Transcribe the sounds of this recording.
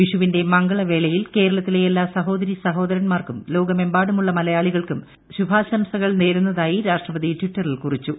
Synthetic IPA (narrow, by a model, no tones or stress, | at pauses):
ʋiʂuʋinde̞mɐŋɡɐɭɐʋe̞ɭɐjilke̞ːɾɐɭɐt̪ːileelːaːsɐɦo̞ːd̪ɐɾisɐɦo̞ːd̪ɐɾɐnmaːrkumlo̞ːɡɐme̞mbaːɽumuɭːɐmɐlɐjaːɭiɣɐɭkum | ɕubʱaːsɐmsɐɣɐɭne̞ːɾunːɐðaːjiɾaːʂʈrɐbɐðiʈʋiʈːɐrilkurit͡ɕːu